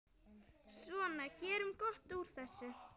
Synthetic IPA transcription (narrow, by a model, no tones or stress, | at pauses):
svɔːnacɛːɾʏmkɔht̪uɾ̥θɛsːʏ